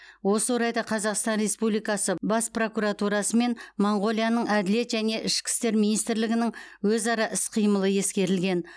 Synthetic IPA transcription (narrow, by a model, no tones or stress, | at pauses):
wo̞səwoɾɑjd̪ɑqʰɑzɑqst̪ɑnre̞spublijkɑsəbɑspro̞kuɾɑt̪uɾɑsəme̞nmoɴʁo̞lˠijanəɴæd̪ɪle̞t̪ʒæne̞ʔɪʃkʲɪ̥st̪e̞ɾminijst̪ɪɾlɪɡʲɪnɪŋwɵzɑɾɑʔɪsqʰijməlˠəje̞skʲe̞ɾɪlɡʲe̞n